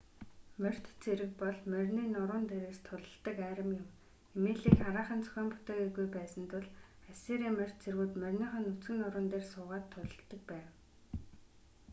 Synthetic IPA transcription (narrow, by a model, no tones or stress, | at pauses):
mœr̥t̪t͡sʰeɾɘ̆k̚pɔɮmœrʲniːnʊɾʊːnt̪eɾeːst̪ʰʊɮə̆ɬt̪ə̆kæːɾə̆mjʊ̆m | emeːɮiːkχaɾaːχə̆nt͡sʰœ̥xʲœːmpʊ̥t̪eːkeɣujpæːsə̆nt̪ʰʊɮ | æseːɾiːmɵr̥ʲt̪t͡sʰerɣuːt̪mœrʲniːχə̆nut͡sɡɘ̆nʊɾʊːnt̪eːrsʊːʁaːt̪ʰːʊɮə̆ɬt̪ə̆k̚pæːw